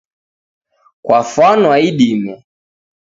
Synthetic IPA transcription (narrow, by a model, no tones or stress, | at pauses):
kwafanwaiɗimɛ